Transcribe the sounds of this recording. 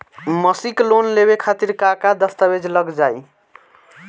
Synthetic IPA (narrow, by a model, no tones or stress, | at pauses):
məsiklonleβekʰat̪iɾkakad̪əst̪abed͡ʒʱləɡd͡ʒaj